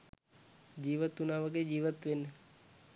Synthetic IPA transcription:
d͡ʒiʋət̪unaʋəked͡ʒiʋət̪ʋen

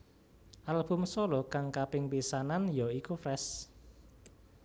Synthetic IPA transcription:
ʔalb̥ṳmsɔlɔkaŋkapɪŋpisananjɔikufrɛs

